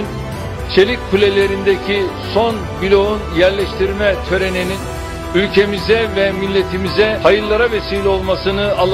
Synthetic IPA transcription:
n | t͡ʃʰe̞ɾic̚ʲpʰulʲelʲe̞ɾind̪ecʰiso̞nbilʲo̞unjæɾlʲɛʃt̪ʰiɾmɛt̪ʰø̞ɾe̞ninin | ylʲcʰe̞mizɛvɛmilʲːe̞t̪ʰimizɛhajɯɾlːˠaɾave̞siːlʲɛo̞lˠmasɯnɯalˠː

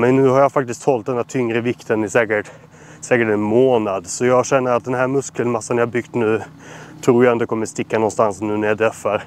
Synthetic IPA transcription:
mɛnːʉ̟ːhaɾjafak̚t̪ɪskt̪hɔlt̪̚d̪ɛnd̪æt̪ʰʏŋɾəvɪkt̪ʰənɪsɛːkəʈ | sɛːkəʈɛnmoːnad̪sɔjɑːɡɕɛnːəɾat̪̚d̪ɛnhɦæɾmɵskəlmasːanjɑhabʏɡt̪nʉ̟ː | t̪ʰɾuːɾjaɛnd̪əkʰɔmːəst̪ɪkːanɔnst̪ansnʉ̟ːnæɾjad̪ɾœfːaɾ

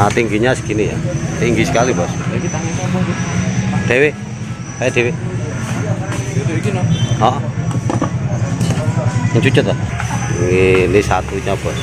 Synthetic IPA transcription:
at̪iŋɡiɲasə̥kinija̰t̪iŋɡisə̥kalibɔsakit̪aŋikamɔɡid̥ewe | sajadewe | t̪uikinɔɦɔ̃ʔ | ɲt͡ʃut͡ʃɔt̪ɔŋinisat̪uɲab̥ɔs

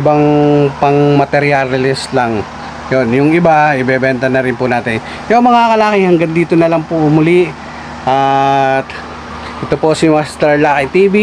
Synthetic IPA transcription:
ɪbaŋpɐŋmɐt̪ɛɾjallɪst̪lɐŋ | jonjʊŋɪbaʔɪbɛbɛnt̪ɐnɐɾɪnpʊnaːt̪ɪn | jomɐŋakɐlaːkɪhɐŋɡɐnd̪iːt̪onɐlɐŋpoʔʊmʊliʔ | ʔat̪ | ʔɛt̪opo̞sɪmast̪ɐɹlaːkɪt̪iːbi

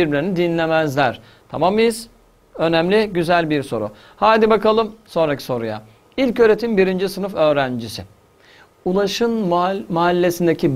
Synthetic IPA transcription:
iɾbilʲeɾinid̪inlʲemæzlʲæɾ̥ | t̪ʰa̰mamɯjɯz̥ | ø̞næmlʲiɟyzælʲbiɾso̞̰ɾṵ | haːd̪ibakalˠɯmso̞nɾacʰi̥so̞ɾṵja̰ | ilʲcøːɾe̞t̪ʰimbiɾind͡ʒisɯnɯfø̞ːɾænd͡ʒisɪ | ulˠaʃɯnmaɦalʲːe̞sind̪ecʰi

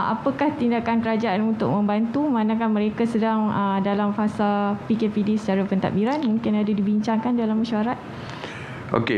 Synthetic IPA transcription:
a̰pəkaht̪indakankəɾad͡ʒaanunt̪ʊk̚mə̃mbant̪umãnakahməɾekasədaŋədalamfasalpikepidisə̥t͡ʃaɾapənt̪a̰ʔbiɾanmũŋkɪnadadibiɲt͡ʃaŋkandalaməʃaɾat̪̚ | ʔo̰ke

